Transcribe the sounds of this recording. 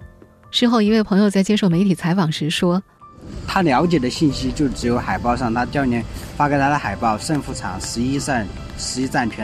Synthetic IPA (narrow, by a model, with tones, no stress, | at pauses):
ʂɻ̩˥˧xo˥˩ʊi˧˥we˥˩ɪpʰɤ˧˥ŋjo˧ʊt͡sa˥˩ɪt͡ɕjɛ˥ʂo˥˩ʊme˧˥ɪt̪ʰi˨˩t͡sʰa˧˥ɪfɑ˨˩ŋʂɻ̩˧˥ʂwɔ˥ | t̪ʰa˥ljɑ˧˥ʊt͡ɕjɛ˨˩d̪ə˦ɕi˥˩nɕi˥t͡ɕjo˥˩ʊʈ͡ʂɻ̩˧˥jo˧˥ʊxa˨˩ɪpɑ˥˧ʊʂɑ˥˩ŋt̪ʰa˥t͡ɕ̪jɑ˥˧ʊnjɛ˧˥nfa˥ke˧˥ɪt̪ʰa˥d̪ə˧˩xa˨˩ɪpɑ˥˧ʊʂə˥˧ŋfu˥˩ʈ͡ʂʰɑ̰˨˩˦ŋʂ̩˧˥i˥˩ | ʂɻ̩˧˥i˧˥t͡sa˥˩nt͡ɕʰɛ˧˥